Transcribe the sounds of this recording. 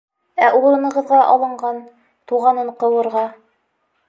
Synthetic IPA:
æʔuɾɤ̆nɤ̆ʁɤ̆ðʁɑʔɑlˠɤ̆ɴɢɑn | t̪uʁɑnɤɴqɤ̆wɤ̆ɾʁɑ

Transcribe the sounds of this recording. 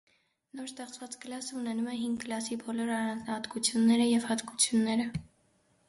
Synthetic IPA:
nɔɾst̪ɛχt͡svɑt͡skəlɑsəunɛnumɛɦiŋɡɡəlɑsibɔlɔɾɑrɑnd͡znɑhɑt̪kut͡sʰjunːɛɾəjɛvhɑt̪kut͡sʰjunːɛɾə

